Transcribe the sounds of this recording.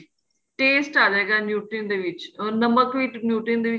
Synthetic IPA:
ʈeːsʈaːd͡ʒaːɡaːnjuːʈənd̪eːʋɪt͡ʃɔːɾnəməkʋinjuːʈənd̪eːʋɪ

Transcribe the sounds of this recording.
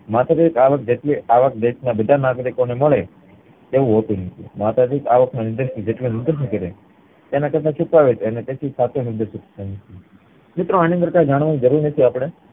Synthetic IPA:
mat̪ad̪ekaʋək̚d͡ʒeʈleʔaʋək̚d̪eʃnabɪd̪ʱanaɡɾikoneməɭe | t̪eʋũɦot̪ũnət̪ʰḭmat̪ad̪ekaʋəknãnɪɾd̪eʃid͡ʒeʈliẽnɪɾd̪eʃĩkəɾe | t̪enakət̪ʰat͡ʃʰukaʋet̪ʰeənet̪et̪ʰisat̪ʰjonɪɾd̪eʃut̪ʰi̥t̪ʰanət̪ʰi | mɪt̪ɾoanĩənd̪əɾkajd͡ʒaɽ̃ʋanĩd͡ʒəɾuɾnət̪ʰiaːpɽ̃e

